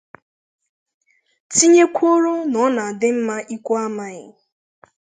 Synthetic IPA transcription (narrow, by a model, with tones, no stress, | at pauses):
ti˦ɲe˦kʷʰo˦ɾo˦nɔ˨˦na˨a˨dɪ˦m̩˦ma˦ʔi˦kʷa˦ma˨ɣɪ̰˨